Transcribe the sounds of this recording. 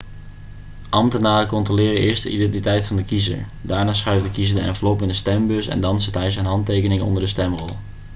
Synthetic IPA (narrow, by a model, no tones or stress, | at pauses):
ʔɑmtənaːrəkɔntrolɪːrəʔɪːɹsdə̰ʔidɛntitɛjtfɑndəkizə̰ɹ | daːɹnaːsχœɥvdəkizəɹdəɛ̰nvəlopɪndəstɛmbɵsɛ̰ndɑnsətɦɛjsɛnɦɑntejkənɪŋəɔ̰ndəɹdəstɛmrɔlˠ